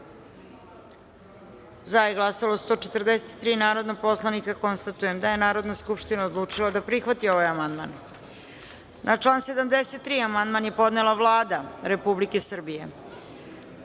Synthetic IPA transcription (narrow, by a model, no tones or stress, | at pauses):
zajeɡlˠasalost̪o̞ːt͡ʃet̪r̩d̪eset̪t̪ːɾiːnaːɾo̞d̪nopo̞slˠanikako̞nst̪at̪ujemd̪aje̞naːɾo̞d̪naskupʂt̪inaod̪lˠuːt͡ʂilad̪apɾixʋat̪io̞ʋajamand̪ma̰n | nʔat͡ʂlˠaːnse̞d̪amd̪eset̪ːɾiːamand̪manje̞po̞d̪nelˠaʋlˠaːd̪aɾe̞publike̞sr̩bije̞̰